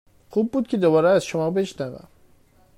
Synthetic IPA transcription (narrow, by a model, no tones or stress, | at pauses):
xub̚ːuːd̪̚cʰed̪obɒːɾɛæzʃomɒːbe̞ʃnævæ̰m